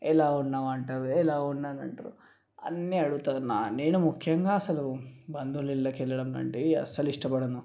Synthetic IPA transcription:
ɛlaːunːaːʋɐɳʈɐd̪uɛlaːunːaːnɐ̰ɳʈɐɾṵ | ɐ̰nːiɐɽut̪aːnane̞ːnumukʰjɐŋɡaːɐsɐlubɐnd̪ulilːɐkɛlːɐɽɐmlɐ̰ɳʈeɐ̰sɐluiʂʈɐpɐɽɐnu

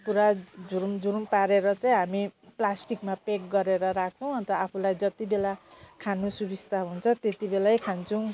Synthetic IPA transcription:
puɾad͡zuɾumd͡zuɾumpaɾeɾʌt͡sʌĩɦamiplasʈikmapek̚ɡʌɾeɾʌɾak̚ʰt͡sʰʌw̃ʌnt̪ʌapʰulajd͡zʌt̪ibelakʰanusubist̪ʰaɦunt͡sʰʌt̪et̪ibelajkʰant͡sʰʌw̃

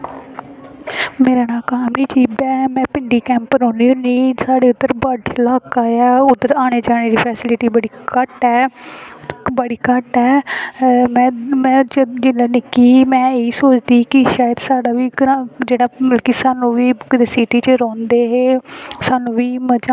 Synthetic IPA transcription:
meːɾaːnaːkaːmniːt͡ʃiːbɛːmɛ̃ːpɪɳɖiːkɛ̃ːmpɾɔ̃ːniːoːniːsaːɽeːʊd̪ːəɾbaɖlaːkaːɛːʊd̪əɾaːɽ̃eːd͡ʒaːɽ̃eːɾiːpʰɛːsɪlɪʈiːbəɽiːkəʈɛː | bəɽiːkəʈɛː | mɛ̃ːmɛ̃ːd͡ʒɪlaːnɪkiːmɛ̃ːeːiːsoːt͡ʃd̪iːkɪʃaːjəd̪saːɽaːʋiːɡɾad͡ʒeːɽaːməlkiːsaːnũːʋiːkɪd̪eːsiːʈiːt͡ʃəɾɔ̃ːnd̪eːɦeːsaːnũːʋiːməd͡ʒa

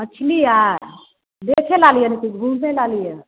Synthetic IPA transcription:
ət͡ʃʰlijaɾ | d̪ekʰelaljənɛt̪ikbʱũnelalijə

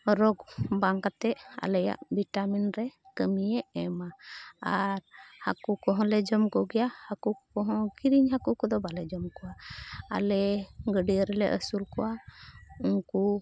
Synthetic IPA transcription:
ɾɔɡbaŋkat̪ɛa̰lɛja̰ʔbiʈaminɾɛkəmijɛʔɛmaaɾha̰kukɔɦɔ̃lɛd͡ʒɔmkɔɡɛjahakukɔɦɔ̃ɡiɾiɲhakukɔd̪ɔbalɛd͡ʒɔmkɔwaa̰lɛɡəɖijəɾɛlɛ̰ʔə̰sulkɔwa | unku

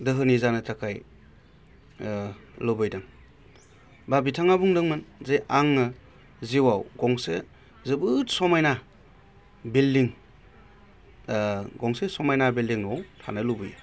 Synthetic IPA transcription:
dɯɦɯnizanɯtʰakʰaj | lɯbɯjdaŋ | babitʰaŋabuŋdɯŋmɯnzejʔaŋnɯ | ziwawɡɔŋse | zɯbɯtsɔmajna | bildiŋ | ɡɔŋsesɔmajnabildiŋɔwtʰa̰nɯlubɯj

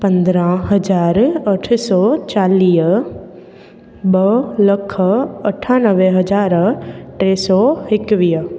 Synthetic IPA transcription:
pə̃nd̪ɾãɦəd͡ʒaːɾəʈʰsɔt͡ʃaːliː | bələkʰːəəʈʰːaːnəʋeɦɐd͡ʒaːɾʈɾeːsɔːɪkʋiː

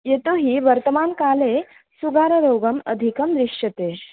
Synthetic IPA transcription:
jet̪oɦiːʋəɾt̪əmankale | suɡaɾəɾoɡəmə̰d̪ʱikəmd̪ɾiʂət̪e

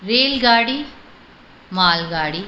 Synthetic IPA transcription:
ɾeːlɡaːɽi | maːlɡaːɽi

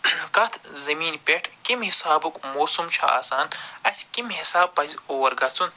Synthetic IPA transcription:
kɐt̪ʰzɐmiːnpʲeʈʰkimɦisaːbukmoːsumt͡ʃʰa̰a̰ːsaːnɐsʲkimɦisaːb̚pɐzʲoːwɐɾɡɐt͡sun

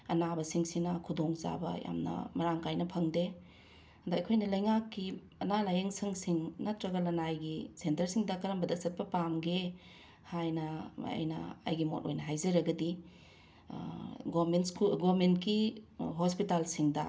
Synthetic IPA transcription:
ɐnabɐsiŋsinɐkʰudoŋza̰bɐ̰ja̰mnɐ̰mɐɾaŋkajnɐpʰɐŋde | ɐdaɐjkʰojnɐlɐjŋakːi | ɐnalajɐŋsɐŋsiŋnɐtɾɐɡɐlɐnajɡisentɐɾsiŋdɐkɐɾɐmbɐdɐk̚sɐt̚pɐpamɡe | hajnɐ̰jnɐ̰ːjɡimo̰t̚o̰jnɐɦajzɐɾɐɡɐdi | ɡomenskuɡomentkiɦospitalsiŋdɐ̰

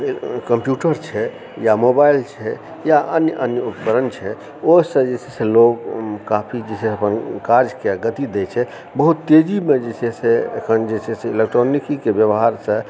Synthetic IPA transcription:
kəmpjuʈəɾt͡ʃʰɛ | jamobailt͡ʃʰɛ | jaʔənjəʔənjəupkəɾənt͡ʃʰɛ | osə̃d͡ʒesesẽloɡkapʰid͡ʒesesəpənkaɾd͡ʒkeɡət̪id̪ɛt͡ʃʰɛ | bəɦut̪ːed͡ʒimed͡ʒeseseə̰kʰənd͡ʒesʰeseilekʈɾonikikebjəʋɦaɾsə̃

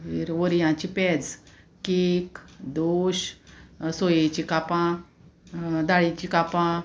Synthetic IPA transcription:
ɦiɾʋəɾjãt͡ɕipɛd͡z | kekd̪oɕ | sojet͡ɕikapã | d̪aɭit͡ɕikapã

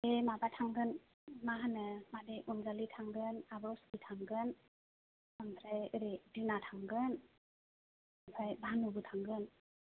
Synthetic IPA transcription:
emabatʰaŋɡɯn | maɦanɯmadeʔumzalitʰaŋɡɯnabɔwskitʰaŋɡɯn | aŋbɾajɯɾedinatʰaŋɡɯn | apʰajbanubɯtʰaŋɡɯn

